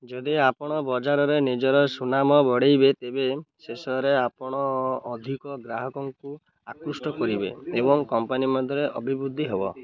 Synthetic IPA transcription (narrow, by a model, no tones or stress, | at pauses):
d͡ʒɔd̪iapɔɽ̃ɔbɔd͡ʒaɾɔɾenid͡ʒɔɾɔsunamɔbɔɽejbet̪ebesesɔɦɾeapɔɽ̃ɔːd̪ʱikɔɡɾaɦɔkɔŋku | akɾusʈɔkɔɾibḛebɔŋkɔmpanimɔd̪ʱɔɾeʔɔbʱibud̪ʱːiɦebɔ